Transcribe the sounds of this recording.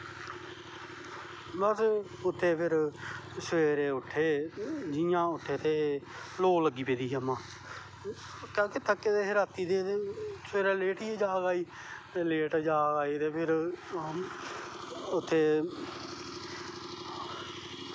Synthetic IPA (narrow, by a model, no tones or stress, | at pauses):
bəs | ʊt̪ʰːeːpʰɪɾsəʋeːɾeːʊʈʰːeːd͡ʒɪijãːʊt̪ʰːeːt̪eːloːləɡːiːpeːd̪iːɦaːmãː | kãːkɪt̪ʰəkːet̪eːɦɪɾaːt̪iːd̪eːesʋeːɾeːleːʈiːeːd͡ʒaːɡaːiː | t̪eːleːʈːd͡ʒaːɡaːiːt̪eːpʰɪɾ | ʊt̪ʰːeː